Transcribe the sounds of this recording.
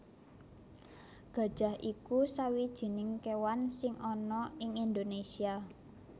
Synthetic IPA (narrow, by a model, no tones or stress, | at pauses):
ɡ̥ä̤d̥ʒ̥ä̤hʔikusawid̥ʒ̥i̤nɪŋkewansɪŋʔɔnɔɪŋind̪onesia